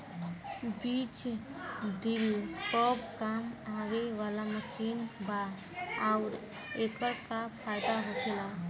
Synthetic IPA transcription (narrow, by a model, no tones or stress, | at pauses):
biːt͡ʃ | ɖɪlkɔːbkaːmaːweʋaːlaməʃiːnba | aʊɾ | eːkəɾkapʰaːɪd̪aɦokʰela